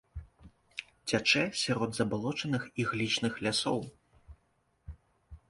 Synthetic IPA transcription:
t͡sʲat͡ʂɛsʲaɾɔd̪zɐbalˠɔt͡ʂɐnɨxiɣlʲit͡ʂnɨxlʲasɔw

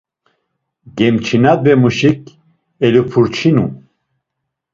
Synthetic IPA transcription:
ɡɛmt͡ʃʰinad̪bɛmuʃik̚ | ɛlupʰuɾt͡ʃʰinṵ

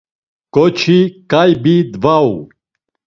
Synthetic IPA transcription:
kʼɔt͡ʃʰikʼajbid̪vaṵ

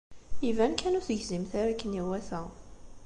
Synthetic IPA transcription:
ivænkʰænuθəʝzimθaɾækːəniwæθæ

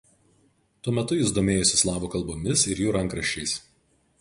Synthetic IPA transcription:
t̪uɔmʲɛt̪ʊjɪzd̪oːmʲeːjɔsʲɪslˠɑːboːkɐlˠˑboːmʲɪsɪɾjuːɾɐŋˑkɾɐʃʲt͡ʃʲɛɪs

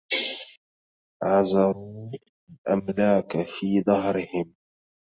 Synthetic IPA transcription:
ʕɑzɑɾuː | alʔamlaːkafiːðˤɑɦɾɪhɪm

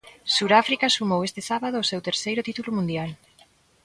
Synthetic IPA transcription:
suɾafɾikasumowest̪ɪsaβað̞ʊːsewt̪eɾsejɾʊt̪it̪ulʊmũnd̪jal

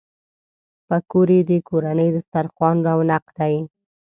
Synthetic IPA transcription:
pəkoɾed̪əkoɾanəjd̪əst̪aɾqwɑnɾɑwnaqd̪aj

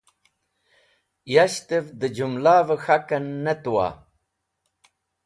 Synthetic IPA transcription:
jaɕt̪evd̪əd͡ʑumlaːvəxakɐnːet̪uwa̰ː

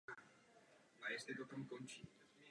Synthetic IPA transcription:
maest̪et̪ot̪uŋkont͡ʃit̪

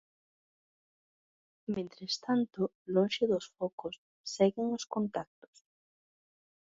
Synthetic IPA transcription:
mẽnt̪ɾest̪ant̪ʊ | lõnʃeðosfɔkʊsː | ɛɣɪŋoskont̪ak̚t̪o̥s

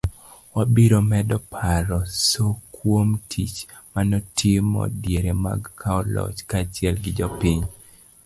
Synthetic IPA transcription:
wabiɾomɛdɔpʰaɾɔsokwomtʰit͡ʃmanɔtʰɪmɔ̰djeɾema̰ɡkʰaɔlɔ̰t͡ʃkat͡ʃɪɛlɡɪd͡ʒɔpiɲ

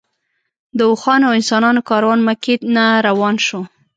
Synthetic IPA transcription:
d̪əʊxɑnawɪnsɑnɑnokɑɾawɑnmaket̪naɾawɑnʃo

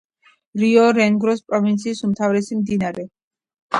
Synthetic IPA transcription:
ɾiɔɾɛŋɡɾɔspʼɾɔvint̪sʰiːsumt̪ʰavɾɛsimd̪inaɾɛ

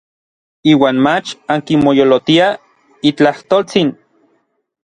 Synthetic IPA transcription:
iːwaːnmat͡ʃaŋkinmojolot̪ia | it͡ɬaht̪olt͡sin

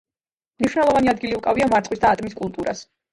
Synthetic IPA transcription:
mniʃwnɛlˠɔvaniad̪ɡiliukʼaviamaɾt̪sʼwisd̪aːt̪ʼmiskʼulˠt̪ʼuɾa̰s

